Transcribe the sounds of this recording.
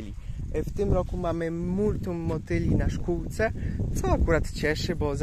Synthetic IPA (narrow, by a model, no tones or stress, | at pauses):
lʲift̪ɘmɾɔkumamɘmuɾt̪umːɔt̪ɘlʲinaʂkuwt̪sɛt̪sɔakuɾat̪t͡ɕɛʂɘbɔz